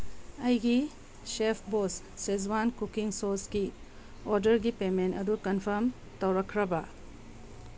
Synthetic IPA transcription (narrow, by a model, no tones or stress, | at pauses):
ɐjɡi | sepʰbosːezwankukiŋsosɡi | oɾdɐɾɡipementɐdukɐnpʰɐɾm | tɐwɾɐkʰɾɐbɐ